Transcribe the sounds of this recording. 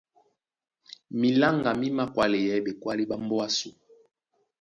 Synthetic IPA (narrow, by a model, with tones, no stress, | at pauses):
mi˨la˦ŋɡa˨mi˦ma˦kwa˦le˨jɛ˨˦be˨kwa˦li˦ɓa˦mbɔ˦a˦su˨